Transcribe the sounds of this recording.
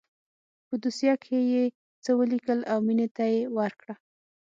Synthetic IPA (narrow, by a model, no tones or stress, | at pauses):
pəd̪usjɑkʰeje | t͡səwəlikəlawminet̪ajewaɾkɽa